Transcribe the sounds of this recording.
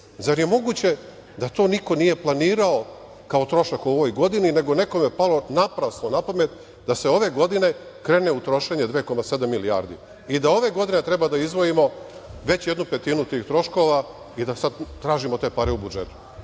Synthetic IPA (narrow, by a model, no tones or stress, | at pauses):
zaɾjemo̞ɡuːt͡ɕe̞ | d̪at̪o̞ːniko̞nije̞plˠaniːɾao̞ | kao̞t̪ɾo̞ʃakuo̞ʋo̞jɡo̞d̪inine̞ɡo̞ne̞ko̞mepalo̞napɾasnonapamet̪ | d̪ase̞o̞ʋe̞ɡo̞d̪ine̞ | kɾe̞ːne̞ut̪ɾo̞ʃe̞ɲed̪ʋeːko̞mase̞d̪amːilia̰ːɾd̪ḭ | id̪ao̞ʋe̞ɡo̞d̪ine̞t̪ɾe̞bad̪aizʋo̞imo̞ | ʋe̞t͡ɕjed̪nupe̞t̪iːnut̪iːxt̪ɾo̞ʃko̞ʋa | id̪asad̪t̪ːɾaːʒimo̞t̪e̞ːpaɾeubud͡ʒe̞̰t̪u̥